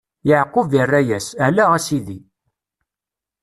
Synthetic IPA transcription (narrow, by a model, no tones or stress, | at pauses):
jəʕqːovirːæjæsælæʁæsiði